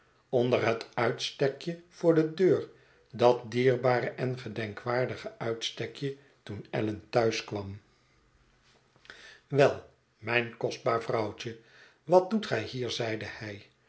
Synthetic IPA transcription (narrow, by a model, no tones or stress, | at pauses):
ɔndəɹɦətœɥtstɛkjəv̥ʊːɹdədøːɹ | dɑt̚diːɹbaːɾəʔɛnχədɛŋkʋaːɹdəχəœɥtstɛkjə | tunɛ̰ləntœɥskʋɑm | ʋɛlˠ | mɛjnkɔsd̚baːɹvrɑwt͡ʃə | ʋɑt̚dutχɛjhiːɹzɛjdəhɛj